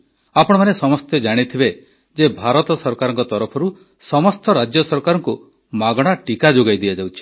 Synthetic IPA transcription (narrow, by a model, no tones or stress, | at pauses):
apɔɽ̃ɔmanesɔmɔst̪ed͡ʒaɽ̃it̪ʰibe | d͡ʒebʱaɾɔt̪ɔsɔɾkaɾɔŋkɔt̪ɔɾɔpʰɔɾu | sɔmɔst̪ɔɾad͡ʒjɔsɔɾkaɾɔŋku | maɡɔɽ̃aʈikad͡ʒoɡajd̪iad͡ʒawt͡ʃʰi̥